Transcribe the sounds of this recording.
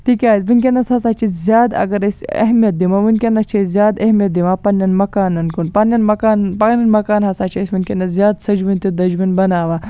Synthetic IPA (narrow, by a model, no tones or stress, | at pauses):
t̪ikʲaːisʲʋinʲkʲenɐshɐsaːt͡ʃʰizʲjaːd̪ɐ̰ɡɐɾɐsʲɐ̰ɦmijɐt̪̚d̪imaʋinkʲenɐst͡ʃʰezʲjaːd̪ɐɦmijɐt̪̚d̪imaːpɐnːɐnmɐkaːnɐnkunpɐnjɐnmɐkaːnpɐnɐnmɐkaːnɦɐsaːt͡ʃʰɐsʲʋinkʲenɐzʲjaːd̪sɐd͡ʒʋunʲt̪id̪ɐd͡ʒʋunbɐnaːʋaː